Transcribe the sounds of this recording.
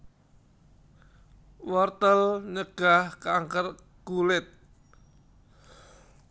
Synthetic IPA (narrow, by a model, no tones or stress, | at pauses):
wɔrt̪əlnəɡ̥a̤hkaŋkər | ɡ̥ulɪt̪̚